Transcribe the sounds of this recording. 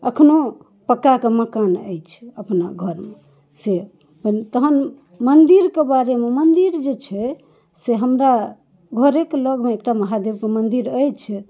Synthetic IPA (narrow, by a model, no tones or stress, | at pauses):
əkʰno | pəkːakeməkanə̰jt͡ʃʰɛ̥əpna̰ɡʱəɾme | se | pənt̪əɦən | mənd̪iɾkebaɾememənd̪iɾd͡ʒet͡ʃʰɛ | seɦəmɾa | ɡʱəɾekləɡmeekʈaməɦad̪ebkemənd̪iɾəjt͡ʃʰɛ